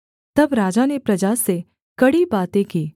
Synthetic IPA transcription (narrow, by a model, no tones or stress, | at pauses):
t̪ɐbɾaːd͡ʒanepɾɐd͡ʒaːse | kɐɽibaːt̪ẽkiː